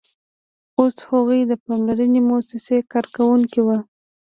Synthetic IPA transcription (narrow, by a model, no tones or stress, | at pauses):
oshoɣujd̪əpɑmlaɾənemosɪsekɑɾkawuŋkiwə